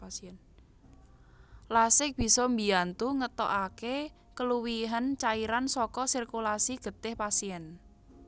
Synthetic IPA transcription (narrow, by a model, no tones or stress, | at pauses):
sɛn | lasɪk̚b̥i̤sɔmbi̤ant̪uŋət̪ɔ̰ʔake | kəluwiɦant͡ʃaiɾansɔkɔsirkulasiɡ̥ə̤t̪ɪhpasiɛn